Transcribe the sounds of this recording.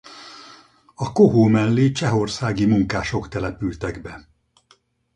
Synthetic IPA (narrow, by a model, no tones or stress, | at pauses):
ɒkoɦoːmɛlːeːt͡ʃɛɦo̞rsaːɡimuŋkaːʃo̞kt̪ɛlɛpylt̪ɛɡbɛ